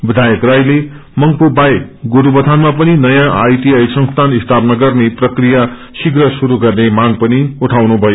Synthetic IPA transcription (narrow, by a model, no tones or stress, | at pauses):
bid̪ʱajʌkrajle | mʌŋpubaɡoɾubʌt̪ʰanmapʌninʌjãʔajt̪iajsʌ̃ŋst̪ʰanist̪ʰapnaɡʌrneprʌkrija | siɡrʌsuɾuɡʌrnemaɡ̚pʌniuʈʰawnubʱʌjo